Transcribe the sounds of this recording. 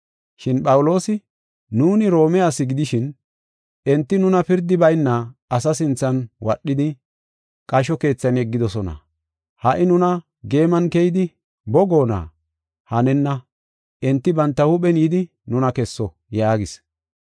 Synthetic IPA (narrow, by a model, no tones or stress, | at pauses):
ʃɪnpʼɐwʊlo̞ːsɪ | nuːnɪɾo̞ːmɛjasɪɡɪd̪ɪʃɪn | ɛnt̪ːɪnʊnɐpɪɾd̪ɪbɐjnːɐɐsɐsɪnt͡sːɐnwɐɗːɪd̪ɪ | kʼɐʃ̬ɔke̞ːt͡sːɐnɛɡːɪd̪ɔsɔnɐ̰ | hɐʔɪnʊnɐ | ɡe̞ːmɐnkɛjɪd̪ɪ | bɔɡo̞ːna̰ | hɐnɛnːɐ | ʔɛnt̪ːɪbɐnt̪ːɐhʊɓɛnjɪd̪ɪ | nʊnɐkɛsːɔ | jaːɡɪs